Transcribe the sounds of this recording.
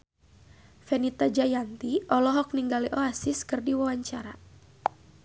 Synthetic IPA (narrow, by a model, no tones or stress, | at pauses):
fɛnit̪ad͡ʒajant̪iʔɔlɔɦɔk̚niŋɡaliʔɔasiskɨrdiwawaɲt͡ʃaɾa